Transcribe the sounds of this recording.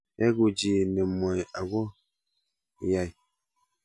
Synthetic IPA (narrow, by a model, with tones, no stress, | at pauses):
ɛ˦ɡu˨d͡ʒi˨nɛ˨mɔ˨ja˨ɡɔ˦˨ | ja˨j